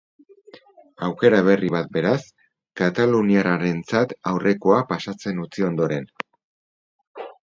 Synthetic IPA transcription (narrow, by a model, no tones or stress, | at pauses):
awke̞ɾaβ̞e̞riβat̪̚be̞ɾas | kat̪aluniaraɾe̞nt͡sat̪awrʔe̞ko̞apasat͡se̞nut͡sio̞nd̪o̞ɾe̞n